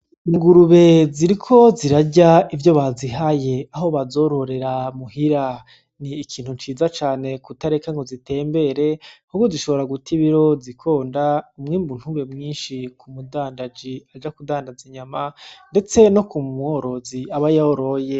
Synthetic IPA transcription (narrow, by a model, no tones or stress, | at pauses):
iŋɡuɾuβe̞ziɾikʰo̞ziɾaɟaivjo̞βaziɦaje̞aɦo̞βazo̞ɾo̞ɾe̞ɾamuhiɾa | niːkʰiːn̥uɲt͡ʃiːzat͡ʃaːne̞kutaɾekaŋɡo̞zite̞ːmbe̞ɾe̞hukɡoziʃo̞βo̞ɾaɡutʰiβiɾo̞zikʰo̞ːndaumŋiːmbun̥huβe̞mŋiːnʃikumudaːndad͡ʒiad͡ʒakudaːndaziɲamande̞t͡se̞no̞kumuoɾo̞ziaβajaoɾoje̞